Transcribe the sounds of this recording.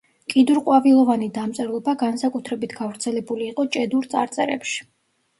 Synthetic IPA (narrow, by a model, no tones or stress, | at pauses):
kʼid̪uɾqʼwavilˠɔvanid̪amt̪sʼɛɾlˠɔbaɡansakʼut̪ʰɾɛbit̪ʰɡavɾt̪sʰɛlɛbuliːqʼɔt͡ʃʼɛd̪uɾt̪sʼa̰ɾt̪sʼɛɾɛ̰pʃi̥